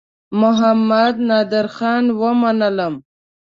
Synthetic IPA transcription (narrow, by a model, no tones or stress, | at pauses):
mʊɦamːad̪nɑːd̪ɪɾxɑːnwəmanələm